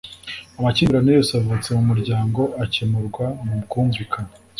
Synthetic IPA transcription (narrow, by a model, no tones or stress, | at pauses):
amaciːɾanejoːsavut͡se̞mumuɾɟaːŋɡo̞ʔacemuɾɡwamumkuːɱvikʰana